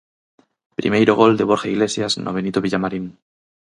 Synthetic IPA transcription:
pɾḭmejɾoɣo̞ld̪e̞β̞o̞ɾxaiɣle̞sjaznʔoβe̞nit̪oβiʎamaɾin

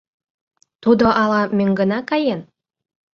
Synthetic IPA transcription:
t̪ud̪oʔɑlɑmøŋɡə̆nɑkɑjen

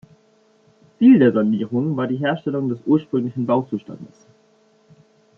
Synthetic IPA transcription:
t͡siːldeːɐzaniːʁ̞ʊŋvaːɐdiːɦeːɐʃtɛlʊŋdɛsʔuːɐʃpʁ̥ʏŋlɪçn̩baʊt͡suːʃta̰ndəs

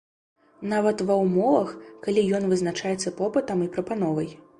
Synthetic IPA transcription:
navɐt̪vɐwmɔvɐxkalʲijɔnvɨznat͡ʂajɛt̪sːɐpɔpɨt̪ɐmipɾɐpanɔvɐj

